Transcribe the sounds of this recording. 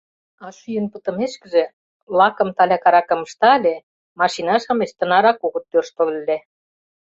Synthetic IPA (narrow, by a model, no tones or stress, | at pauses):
ɑʃyjə̆npə̆t̪ɤ̆meʃkə̆ʒĕ | lɑkɤ̆mt̪ɑlʲɑkɑɾɑkɤ̆mə̆ʃt̪ɑlʲe | mɑʃinɑʃɤmeʃt̪ə̆nɑɾɑkoɣɤ̆t̪ːørʃt̪ŏlle